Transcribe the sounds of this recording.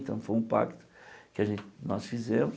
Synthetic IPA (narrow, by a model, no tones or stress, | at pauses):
t̪ɐ̃w̃fojũpa̰kt̪ʊ̥kɪɐʒẽnt̪ɪnɔsfizẽmʊ